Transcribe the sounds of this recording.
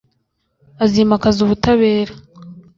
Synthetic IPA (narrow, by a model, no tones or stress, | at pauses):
azimakazuβutaβe̞ːɾa